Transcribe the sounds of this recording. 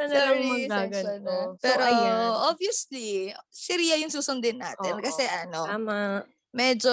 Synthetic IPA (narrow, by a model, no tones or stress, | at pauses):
ɐlɐɾmɐɡaɡɐnopɛːɾoʔoviʊslisɪɾiːɐjʊŋsuːsʊnd̪ɪnːa̰ːt̪ɪnkɐsɛʔɐno̞ma | mɛd͡ʒo